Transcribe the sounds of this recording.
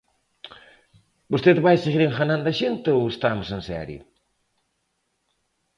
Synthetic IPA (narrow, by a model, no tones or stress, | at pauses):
bost̪eðβajseɣiɾẽŋxanãnd̪ɐʃent̪ɪowest̪amʊsẽnsɛ̰ɾjʊ̰